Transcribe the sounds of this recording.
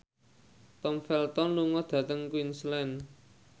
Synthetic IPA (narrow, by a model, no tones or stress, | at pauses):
t̪ɔmfɛlt̪ɔnluŋɔd̪̥ä̤t̪əŋkwinslɛn